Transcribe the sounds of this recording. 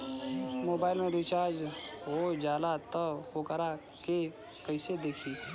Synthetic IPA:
moːbaːɪlmẽɾit͡ʃaːd͡ʒɦoːd͡ʒaːlat̪əhoːkəɾa | ke | kəɪsed̪eːkʰiː

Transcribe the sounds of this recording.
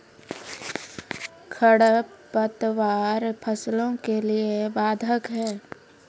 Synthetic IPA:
kʰəɽəpət̪ʋaːɾpʰəslõkeliebaːd̪ʱəkɦɛː

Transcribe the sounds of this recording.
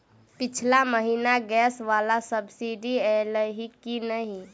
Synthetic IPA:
pit͡ʃʰlaməɦinaɡɛsʋalasəbsiɖiɛləɦikinəɦi

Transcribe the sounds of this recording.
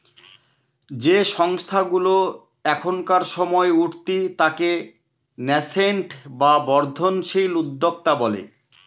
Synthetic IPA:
d͡ʑeʃɔŋst̪ʰaɡulo | ɛkʰonkaɾʃɔmɔeuʈt̪it̪ake | nɛseɳʈbabɔɾd̪ʱonʃilud̪ːok̚t̪abɔlḛ

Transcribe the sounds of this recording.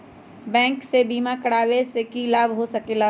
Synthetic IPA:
bɛ̃ːŋksebiːmakɐɽaːwesekilaːbɦosɐkelaː

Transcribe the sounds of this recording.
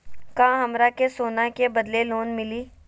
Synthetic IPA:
kãːɦɐmɾakesoːnakebɐd̪leloːnmɪliː

